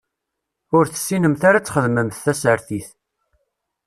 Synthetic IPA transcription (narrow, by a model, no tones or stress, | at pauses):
ʊɾθə̥sːinəmθaɾat͡sːχəðməmθːæsəɾθiθ